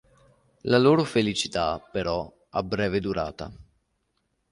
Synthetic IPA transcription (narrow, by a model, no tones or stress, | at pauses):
laloːɾofelit͡ʃi̥t̪apeɾɔ | a̰bɾɛːved̪uɾa̰ːt̪a